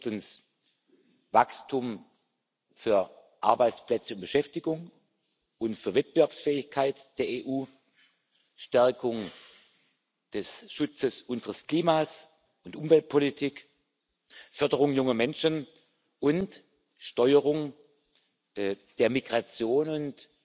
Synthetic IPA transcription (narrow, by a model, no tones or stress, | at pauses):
tns | vakstʰʊm | fyːɐ | ʔa̰ɐbaɪt͡splɛt͡səʊnb̥əʃɛftɪɡʊŋ | ʔʊntfyːɐvɛt̚b̥əvɛɐpsfɛːɪçkʰaɪtd̥eːɐeːʔuː | ʃtɛɐkʰʊŋ | d̥ɛsʃʊt͡səsʔʊnzəʁəskl̥iːmaːs | ʔʊntʔʊmvɛlt̚pʰolitʰiːk | fœɐdəʁʊŋjʊŋɐmɛnʃən | ʔʊnt | ʃtɔʏəʁ̞ʊŋ | d̥eːɐmiɡʁat͡sjoːnʊnt